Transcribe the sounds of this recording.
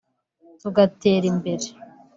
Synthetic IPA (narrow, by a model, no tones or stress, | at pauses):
tuɡate̞ːɾimbe̞ɾe